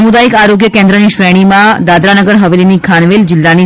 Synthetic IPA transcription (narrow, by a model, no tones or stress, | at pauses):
mud̪aikaɾoɡjəkẽnd̪ɾəniʃʋeɽ̃imãd̪ad̪ɾanəɡəɾɦəʋelinikʰañʋeld͡ʑɪlːani